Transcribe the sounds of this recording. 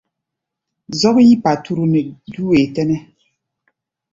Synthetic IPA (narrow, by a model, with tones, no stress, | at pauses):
zɔ˦kji˦pa˨tʰu˦ɾu˦nɛ˨du˦we˨tɛ˦nɛ˦